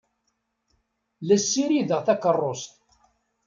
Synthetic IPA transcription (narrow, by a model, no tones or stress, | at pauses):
læsːiɾiðəʁθækərˤːost̪